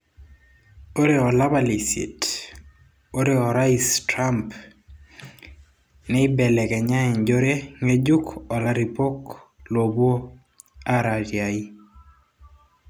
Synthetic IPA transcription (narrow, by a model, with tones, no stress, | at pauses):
o˦ɾe˨ɔ˨la˦ba˨li˨sḭ˨t | o˦ɾeɔɾa˦istɾa˦mp | nɛi˦bɛ˨lɛ˨kɛ˨ɲa˦ɛ˨ɲd͡ʒoɾe˦ŋe˦d͡ʒu˦kɔ˨la˦ɾi˨po˦klo˨bwo˦ | aɾa˨d͡ʒja˨i˦